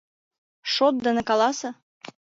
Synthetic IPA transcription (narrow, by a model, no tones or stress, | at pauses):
ʃot̪̚d̪ɤ̆nĕkɑlˠɑsɤ̆